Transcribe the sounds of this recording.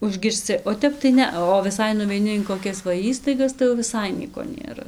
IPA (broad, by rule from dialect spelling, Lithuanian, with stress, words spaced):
ʊʒʲɡʲɪrʲsʲˈt͡sʲɪ oː ˈtʲɛp tɐɪ ˈnʲɛɐ oː ʋʲɪˈsɐɪ nʊʋʲɛɪˈnʲɪ ɪn koːˈkʲɛs ʋɐ ˈiːstɐɪɡɐs tɐɪ jɛʊ ʋʲɪˈsɐɪ ˈnʲiɛkoː nʲeːˈrɐ